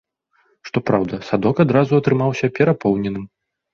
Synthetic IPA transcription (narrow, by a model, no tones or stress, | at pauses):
ʂt̪ɔpɾawd̪ɐsad̪ɔkad̪ɾazuɐt̪ɾɨmawsʲɐpʲɛɾapɔwnʲɛnɨm